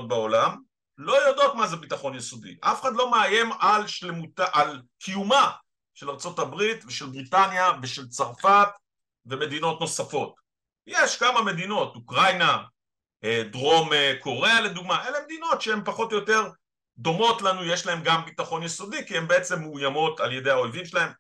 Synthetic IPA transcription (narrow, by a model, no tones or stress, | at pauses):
t̚baolam | lo̞jodo̞tmazebitaχo̞njesodḭʔafeχad̪lo̞meaje̞malʃlemutaʔalkʰijuma | ʃe̞laʁt͡so̞tabʁitveʃe̞lbʁitanjaveʃe̞lt͡saʁfat | ve̞me̞dino̞tno̞safo̞t | jeʃkamame̞dino̞tukʁajna | edʁo̞mekʰo̞ʁe̞ale̞d̪uɡmaʔe̞leme̞d̪ino̞tʃeempaχo̞tojote̞ʁ | d̪o̞mo̞tlanujeʃlahe̞mɡambitaχo̞njeso̞dikiembeet͡se̞mːuːjamo̞talje̞de̞jhao̞lvimʃelahe̞m